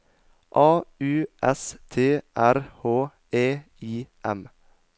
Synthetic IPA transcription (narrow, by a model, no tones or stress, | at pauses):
ʔɑːʉːʔɛst̪ʰeːʔæɾhoː | eː | iːʔɛm